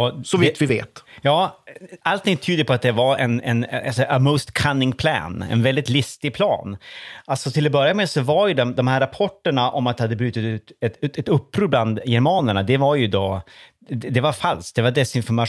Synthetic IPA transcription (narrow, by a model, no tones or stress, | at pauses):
ɔsɔvt̪vɪvḛːt̪jɑːalt̪ʰɪŋːt̪ʰyːd̪əɾəpʰɔat̪̚d̪ɛvaɾɛnɛnalsɔʔəmɔːst̪kʰanːɪŋpʰlæ̰ːnɛ̰nvɛld̪ɪt̪lɪst̪ɪɡ̚pʰlɑ̰ːnʔalt̪sɔt̪ʰɪlɔbœɾjamesɔvaɾjɵd̪ɔmd̪ɔmhæːɾːapʰɔʈːəɳaʔɔmat̪d̪ɛhad̪ːəbɾʉ̟ːt̪ɪt̪ʉːt̪ɛɛt̪ɵpːɾuːbland̪jɛɾmɑːnəɳad̪ɛvaɾjɵd̪o | d̪ɛvaɾfalskt̚d̪ɛvaɖɛsɪnfɔɾma